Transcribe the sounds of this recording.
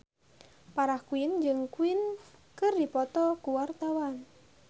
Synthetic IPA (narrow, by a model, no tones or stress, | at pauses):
paɾahkuind͡ʒɨŋkuinkɨrdipɔt̪ɔkuwart̪awan